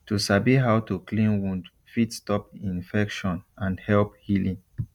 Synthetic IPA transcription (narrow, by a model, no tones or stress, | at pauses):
tusabiɦawtuklĩnwũnd | fitstɔpĩnfɛkʃɔ̃nãnhɛlp̚hilĩŋ